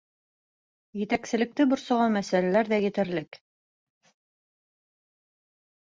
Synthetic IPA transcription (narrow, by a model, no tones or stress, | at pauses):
jɘ̆t̪æksɘ̆lɘ̆k̚t̪ɘbŏɾsɑ̆ʁɑnmæsælælæɾðæjɘ̆t̪ɘ̆ɾlɘk